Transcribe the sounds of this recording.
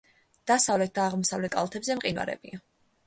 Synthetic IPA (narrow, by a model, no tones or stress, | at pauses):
d̪̥asavlɛt̪̚d̪aːʁmɔsavlɛt̪̚ʰkʼa̰lˠt̪ʰɛbzɛmqʼinwa̰ɾɛ̰bia